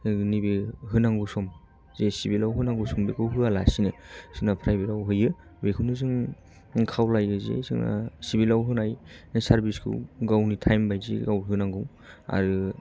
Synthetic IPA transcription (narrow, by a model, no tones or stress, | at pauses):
nibeɦɯnaŋɡɯsɔm | zesibilawɦɯnaŋɡusɔmbekʰɯwɦɯalasinɯsɯnapʰɾajbeɾawɦɯjɯ | bekʰɯnɯzɯŋ | kʰawlajɯzḛzɯ̰ŋa̰sibilawɦɯnajnsaɾbiskʰɯ̰wɡawnitʰajmbajzḭɡawɦɯnaŋɡɯw | a̰ɾɯ